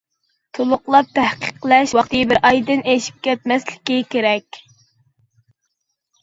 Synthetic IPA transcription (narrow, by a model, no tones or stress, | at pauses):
t̪ʰolˠʊqlˠɑp̚t̪ʰæhqʰə̥qlˠɛʃwɑqt̪ʰɨjbɪɾʔɑjd̪ɨneʃi̥p̚kʲɛt̪̚mɛslɪ̥kʲikʲeɾɛkʲ